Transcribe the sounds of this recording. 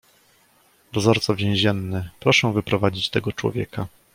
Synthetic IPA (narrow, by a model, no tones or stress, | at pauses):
d̪ɔzɔɾt̪sɔvʲjɛ̃w̃ʑɛnːɘpɾɔʂɛ̃w̃vɘpɾɔvad͡ʑit͡ɕt̪ɛɡɔt͡ʂwɔ̰vʲjɛ̰ka